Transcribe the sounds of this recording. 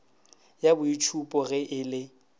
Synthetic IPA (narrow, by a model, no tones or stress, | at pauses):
jabʊit͡ʃʰupʼɔɣɛʔɪlɪ